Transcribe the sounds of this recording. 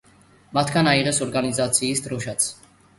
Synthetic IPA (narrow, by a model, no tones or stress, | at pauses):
mat̪ʰɡanaiʁɛsɔɾɡanizat̪sʰiːsd̪ɾɔʃat̪sʰ